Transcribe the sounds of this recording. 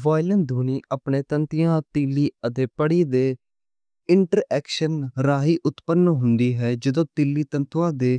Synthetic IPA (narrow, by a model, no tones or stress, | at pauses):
ʋaːɪlənd̪ʱuːniːaːpɳẽːt̪ənt̪ɪjãːt̪iːlːiːət̪eːpəɽiːd̪eː | ɪɳʈəɾɛːkʃənɾaːɦiːʔʊt̪pənːɦʊnd̪iːɦɛːd͡ʒəd̪õːt̪iːlːiːt̪ənt̪ʰʋãːd̪eː